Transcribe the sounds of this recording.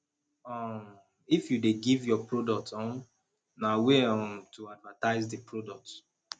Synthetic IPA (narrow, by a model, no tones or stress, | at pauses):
ɔm | ifjudeɡivjɔpɹodɔk̚tɔ̃n | naweɔmtʰuadvataɪzdipɹodɔk̚t